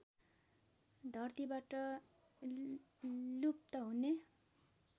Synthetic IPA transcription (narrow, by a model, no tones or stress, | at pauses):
d̪ʱʌrt̪ibaʈʌ | lup̚t̪ʌɦune